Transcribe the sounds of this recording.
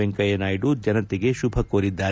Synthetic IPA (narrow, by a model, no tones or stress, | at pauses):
eŋkɐjɐnaːjiɖud͡ʒɐnɐt̪iɡe̞ʃubʱɐkoːɾid̪ːaː